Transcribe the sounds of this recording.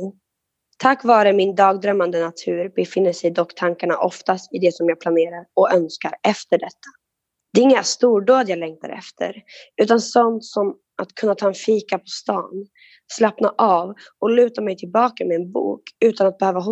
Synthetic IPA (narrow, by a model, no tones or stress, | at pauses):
t̪ʰakːvɑːɾəmɪnd̪ɑːɡd̪ɾœmːand̪ənat̪ʰʉ̟ːɾbɛfɪnːəʂɛjd̪ɔkːt̪ʰaŋkaɳa̰ʔɔft̪ast̪ɪd̪ɛsɔmjɑːɡplaneːɾaɾɔœnskaɾɛft̪əɖɛt̪ʰːḁ | d̪̥ɛɪŋːəst̪uːɖoːd̪jɑːɡlɛŋkt̪ʰa̰ɾɛ̰ft̪ʰə̰ɾʉ̟ːt̪ansɔnt̪sɔm | at̪kʰɵnːat̪ʰɑːɛnfiːkapʰɔst̪ɑ̰ːn | slapnaʔɑːvɔlʉ̟ːt̪amɛjt̪ʰɪlbɑːkamɛɛnbṵːkʉ̟ːt̪anat̪̚bɛhøːvaɦʊ